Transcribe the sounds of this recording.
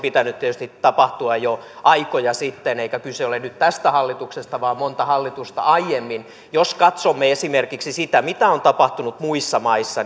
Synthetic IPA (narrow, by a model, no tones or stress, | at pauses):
pit̪ænːyt̪t̪iet̪yst̪it̪ɑpɑht̪uɑjjoʔɑikojɑsit̪ːeneikækylseolenyt̪t̪æst̪æhɑlːit̪uksest̪ɑʋɑːmmont̪ɑhɑlːit̪ust̪ɑ̰ɑijemːin | joskɑt̪somːeesimerkiksisit̪æmit̪æont̪ɑpɑht̪unut̪muisːɑmɑisːɑ